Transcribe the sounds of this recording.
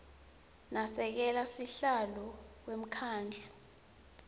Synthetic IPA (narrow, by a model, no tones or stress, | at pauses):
nasɛk̬ɛlasiɬalɔk̬wem̩kʰaːnd͡ɮʱu